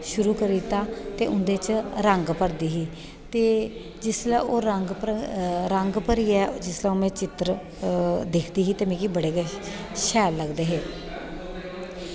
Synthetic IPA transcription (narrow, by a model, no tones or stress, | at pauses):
ʃʊɾuːkəɾit̪aːt̪ḛːʔʊnd̪eːt͡ʃɾəŋɡpəɾd̪iːɦiː | t̪eː | d͡ʒɪslːoːɾəŋɡpɾəŋɡpəɾiːɛːd͡ʒɪslɛ̃oːmɛ̃ːt͡ʃɪt̪ɾ | d̪ekʰd̪iːɦiːt̪eːmɛ̃ːkibəɽeːkː | ʃɛːlːəɡd̪eːɦeː